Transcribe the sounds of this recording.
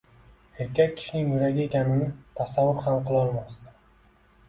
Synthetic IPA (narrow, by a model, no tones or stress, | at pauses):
e̞ɾkʲʰak̚ʲʰːɪ̥ʃnɪŋmʊɾaɡʲaekʲʰanɪnɪt̪ʰasavːʊɾhamqɨlˠɒɾmast̪a